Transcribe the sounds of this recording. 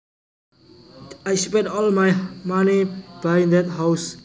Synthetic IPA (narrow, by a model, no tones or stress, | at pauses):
ajspɛ̃dɔlmajmanib̥aj̃nd̪ɛt̪ɦaws